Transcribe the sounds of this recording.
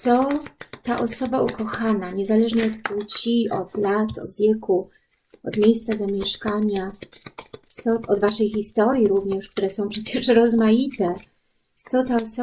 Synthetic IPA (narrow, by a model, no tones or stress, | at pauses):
sɔt̪aʔɔsɔbaukɔxanaɲɛzalɛʐɲɛɔt̪put͡ɕiɔd̪lat̪ɔ̰d̪vʲjɛku | ɔd̪mʲjejst̪sazamʲjɛʂkaɲa | t̪sɔʔɔd̪vaʂɛjxist̪ɔɾjiɾuvɲɛʂk̚t̪uɾɛsɔ̃w̃pʂɛpʲɛʂɛɾɔzmajit̪ɛ | t̪sɔt̪aɔsɔ